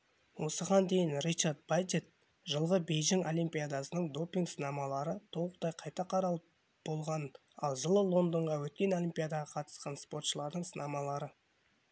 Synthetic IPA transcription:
wo̞səʁɑnd̪e̞jɪnrit͡ʃaɾd̪̚bajd̪et̪̚ | ʒəlˠʁəbe̞jʒɪŋo̞lʲˠijmpʲijad̪ɑsənəɴd̪o̞pʲːiŋɡsənɑmɑlˠɑɾət̪ʰowˠəq̚d̪ɑjqʰɑjt̪ɑqʰɑɾɑlˠə | b̥o̞lˠʁɑn | ɑ̰lˠʒəlˠəlˠo̞nd̪əɴʁɑwɵt̪̚kʲe̞no̞lʲimpʲijad̪ɑʁɑqʰɑt̪ə̥sqɑnspo̞ɾt̪ʃəlˠɑɾd̪əɴsənɑmɑlˠɑɾə

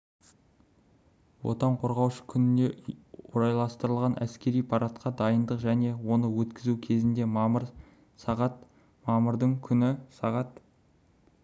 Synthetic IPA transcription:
wo̞̰t̪ɑɴqʰo̞ɾʁɑwʃə̥kʲʰʏnɪne̞oɾɑjlˠɑst̪əɾəlˠʁɑnʔæ̰skʲe̞ɾijpʰɑɾɑt̪qɑd̪ɑjənd̪əqʒæne̞wo̞nəwɵt̪kʲɪzukʲʰe̞zɪnd̪e̞mɑməɾ | sɑʁɑt̪ | mɑməɾd̪əɴkʲʰʏnɪsɑʁɑt̪

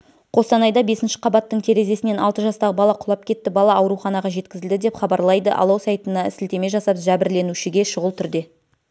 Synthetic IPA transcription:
qʰo̞st̪ɑnɑjd̪ɑbe̞sɪnʃɪ̥qʰɑbɑt̪ːəɴt̪ʲʰe̞ɾe̞ze̞sɪneɑ̰lˠt̪əʒɑst̪ɑʁəbɑlˠɑqʰʊlˠɑp̚kʲʰe̞t̪ːɪbɑlˠɑɑwɾuχɑnɑʁɑʒe̞t̪kʲɪzɪld̪ɪd̪e̞pχɑbɑɾlˠɑjd̪əʔɑ̰lˠɑwsɑjt̪ənɑɪsɪlt̪e̞me̞ʒɑsɑpʒæbɪɾle̞nuʃɪɡʲe̞ʃʊʁəlˠt̪ʰʏɾd̪e̞

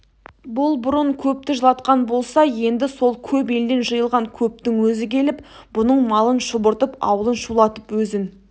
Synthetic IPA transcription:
bʊlˠbʊɾəɴkʲʰɵp̚t̪ɪʒəlˠɑt̪qɑnbo̞lˠsɑje̞nd̪ɪso̞lˠkʲʰɵpe̞ld̪e̞nʒəjəlˠʁɑŋkʲʰɵp̚t̪ɪŋwɵzɪkʲʰe̞lɪp | b̥ʊnəɴmɑlˠənʃʊbʊɾt̪əpɑ̰wəlˠənʃulˠɑt̪əpwɵzɪn

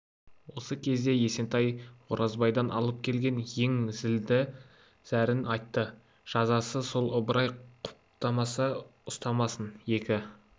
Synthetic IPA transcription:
wo̞səkʲʰe̞zd̪e̞je̞se̞nt̪ɑjwoɾʔɑzbɑjd̪ɑnʔɑ̰lˠəp̚kʲʰe̞lɡʲe̞nje̞ŋzɪld̪ɪ | z̥æɾɪnɑjt̪ːə | ʒ̥ɑzɑsəso̞lˠʊbəɾɑjqʰʊ̥p̚t̪ɑmɑsəʊst̪ɑmɑsənje̞kʲɪ

